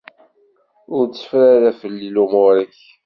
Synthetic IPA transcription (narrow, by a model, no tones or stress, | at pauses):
ʊɾt͡sːə̥fɾaɾæfəlːilumoɾəç